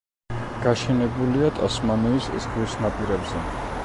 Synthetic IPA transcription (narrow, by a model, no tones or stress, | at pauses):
ɡ̥aʃɛnɛbuliat̪ʼɔsmaniːsɛ̰sɡʼwisnapʼiɾɛbzɛ